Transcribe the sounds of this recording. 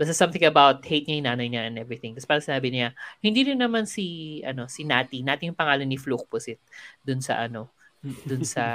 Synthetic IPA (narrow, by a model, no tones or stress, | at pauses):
bɐsɪsɐ̃mθɪ̃ŋɐbawt̪̚hejt̪̚ɲɐjɪnaːnɐjɲɐʔɛ̃nʔɛvɹɪθɪ̃ŋt̪ɐspaːɾɐŋsɪnaːbɪnɪahɪnd̪iːɾɪnːɐmansiʔɐno̞sɪnaːt̪inaːt̪ɪjʊŋpɐŋaːlɐnɪfluk̚pʊsɪt̪̚d̪ʊnsɐ̰ʔɐno̞ | d̪ʊnsɐ